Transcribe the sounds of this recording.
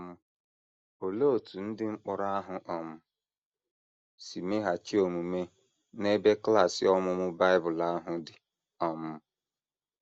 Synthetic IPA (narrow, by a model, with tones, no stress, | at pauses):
mʊ˦ | o˨lo˦˨tu˨n̩˦dɪ˦ŋ͡m̩˦k͡pɔ˦ɾa˦ɦʊ˨ʔɔ˨mʊ˦ | si˨me˦ɦa˨t͡ʃi˦o˨mu˨me˦ | ne˦be˦kla˦˨sɪ˨ɔ˦mʊ˦mʊ˦ba˦ɪ˦bʊ˨la˦ɦʊ˨dɪ˨ | ɔ˨mʊ˦